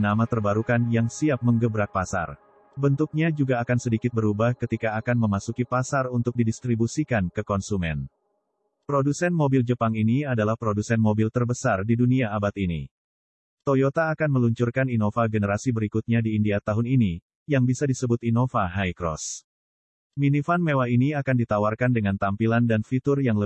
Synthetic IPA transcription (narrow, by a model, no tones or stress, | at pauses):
namat̪ərbaɾukanjaŋsiap̚məŋɡəbɾak̚pasa̰r | bənt̪uk̚ɲad͡ʒuɡaːkansədikɪt̪̚bəɾubahkət̪ikaːkanməmasukipasarunt̪ʊk̚didist̪ɾibusikankəkɔnsumɛ̰n | pɾodusɛnmobild͡ʒəpaŋiniadalahpɾodusɛnmobɪlt̪ərbəsardiduniaːbat̪inḭ | t̪ojot̪aːkanməluɲt͡ʃurkaninofaɡənəɾasibəɾikut̪̚ɲadiːndiat̪aɦʊnini | jaŋbisadisəbʊt̪inofaɦajkɾɔ̰s | minifanmewainiakandit̪awarkandəŋant̪ampilandanfit̪ʊrjaŋlə